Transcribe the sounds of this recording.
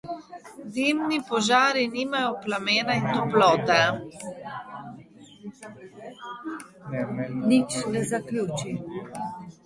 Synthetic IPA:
d̪iːmnipɔʒaːɾiniːmajɔplameːnaint̪ɔplɔːt̪ɛ | nit͡ʃnɛzaklʲuːt͡ʃi

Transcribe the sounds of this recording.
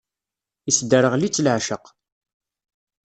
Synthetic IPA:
isd̪əɾəʁlit͡sːlʕʃəq

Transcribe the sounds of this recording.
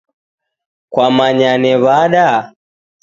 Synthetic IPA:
kwamaɲanɛβaɗa

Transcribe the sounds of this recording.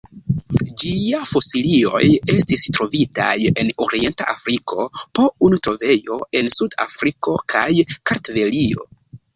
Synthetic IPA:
d͡ʒiafo̞silio̞̰je̞stistɾo̞vita̰je̞no̞ɾie̞nta̰ʔafɾiko̞po̞unutɾo̞ve̞jo̞e̞nsuda̰fɾiko̞kʰajkaɾtve̞lio̞̰

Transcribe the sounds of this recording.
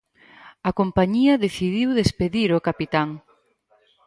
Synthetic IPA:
ɐkompaɲiɐðeθiðiwðespeðiɾokapit̪aŋ

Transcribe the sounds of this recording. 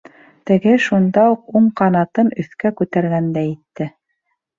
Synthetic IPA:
t̪ɘ̆ɡɘʃund̪ɑuquɴqɑnɑt̪ɤnɵ̆θkækʉt̪æɾɡænd̪æjɘ̆t̪ːɘ

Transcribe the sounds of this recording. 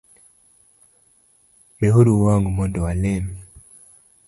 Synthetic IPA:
meɦoɾuwaŋɡumondowaleme

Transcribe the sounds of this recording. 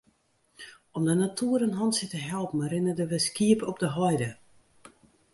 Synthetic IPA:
ɔmdənatʰuəɾənɦɔntsɪtəɦɛlˠpn̩ɾɪnədəʋɪskiəpɔp̚dəɦɔjdə

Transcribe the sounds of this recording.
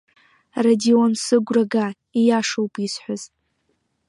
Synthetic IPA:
radionsɨɡʷraɡa | ijaʂowpʼisħʷaz

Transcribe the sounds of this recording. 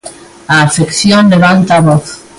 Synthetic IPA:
aːfekθjõnleβ̞ant̪aβoθ

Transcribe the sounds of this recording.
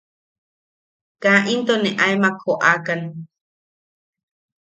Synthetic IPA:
kaʔint̪oneʔaemakʰoʔakane

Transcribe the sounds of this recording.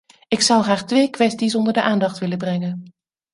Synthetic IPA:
ɪksɑwχaːχtʋejkʋɛstisɔndəɹdəʔaːndɑχtʋɪləbrɛŋən

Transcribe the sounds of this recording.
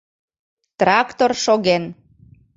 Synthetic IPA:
t̪rɑkt̪orʃoɣen

